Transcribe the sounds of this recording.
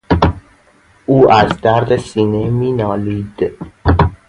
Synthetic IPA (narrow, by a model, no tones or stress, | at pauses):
ʔuːæzd̪æɾd̪esiːnemiːnɒːliːd̪̥